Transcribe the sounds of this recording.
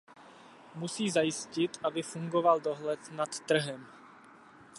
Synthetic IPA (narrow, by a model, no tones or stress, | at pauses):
musiːzajɪscɪt̪ʔabɪfuŋɡovaldoɦlɛt̪nat̪ːr̩ɦɛm